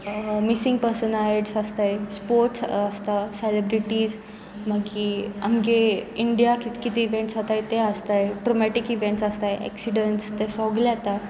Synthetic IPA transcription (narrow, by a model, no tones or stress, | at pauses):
misĩŋɡ̚pəɾsənaɖsəst̪ajspoɾʈsəst̪aselebɾiʈiːd͡z | maɡia̰mɡeiɳɖijakit̪kit̪iiʋẽɳʈsɦat̪ajt̪eəst̪ajʈɾomɛʈikiʋẽɳʈsəst̪ajɛ̰ksiɖəɳʈst̪esɔɡlat̪a